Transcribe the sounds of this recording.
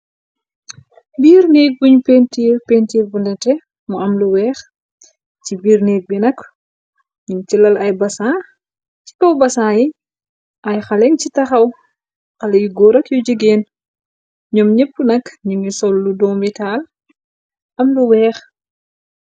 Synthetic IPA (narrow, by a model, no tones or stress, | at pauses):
biːɾnɛːk̚buɲupeːntipeːntibundɛtɛ | muɐmluwɛːx | cibiːrnɛːk̚binɐk | ɲɔmt͡ʃilɐlɐjbɐsaː | ci̥kɔwbɐsaːji | ʔɐjxɐlɛŋcitɐxɐw | xɐlɐjuɡɔɾɐkjud͡ʒəɡeːn | ɲɔmɲɛpːunɐkɲumisɔlːudɔːmbitaːl | ʔɐmluwɛːx